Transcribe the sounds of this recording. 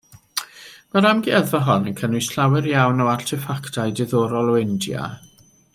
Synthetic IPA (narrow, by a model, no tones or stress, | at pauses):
maɾamɡiəðvaɦɔnənkʰənʊɨsɬawɛɾjawnɔwartʰɪfaktʰajdɪðɔːɾɔlˠwɪndja̰